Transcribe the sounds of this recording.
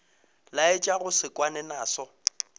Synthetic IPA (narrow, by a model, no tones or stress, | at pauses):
laɪt͡ʃʼaɣʊsɪkʼwanɛnaːsɔ